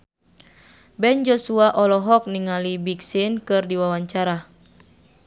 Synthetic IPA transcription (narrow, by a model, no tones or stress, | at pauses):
bɛnd͡ʒɔsuaʔɔlɔɦɔk̚niŋalibiksinkɨrdiwawaɲt͡ʃaɾa